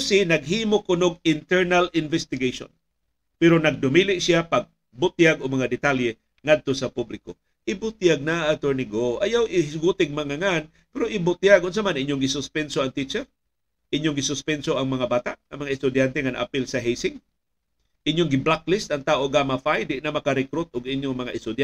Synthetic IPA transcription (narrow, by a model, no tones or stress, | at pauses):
ʊsinaɡ̚ɦiːmokʊnoɡ̚ɪnt̪ɛɹnalɪnvɛst̪ɪɡejʃo̰n | pɛɾonɐɡ̚d̪ʊmilɪʔsiapaɡ̚ | bʊt̪jaɡoɡmɐŋad̪ɪt̪aljɛ | ŋad̪̚t̪osɐpublɪko | ʔɪbʊt̪jaɡ̚naːt̪oɹnɪɡoʔajawʔɪɡut̪ɪɡ̚maŋaŋan | pɛɾoʔɪbʊt̪jaɡʔʊns̬amanʔiɲjoŋɡɪsʊspɛnsoaŋt̪it͡ʃɛɾ | ʔɪɲjoŋɡɪsʊspɛnsoʔaŋmɐŋabaːt̪aʔaŋmɐŋaʔɪst̪ʊd̪jant̪eŋanaʔa̰pɪlsaɦejsɪŋ | ʔɪɲjoŋɡɪblak̚lɪst̪aŋt̪aːʔoɡamafajd̪ɪʔnamɐkaɾɛkɾʊt̪̚ʔʊɡɪɲjoŋmɐŋaʔɪst̪ʊd̪ja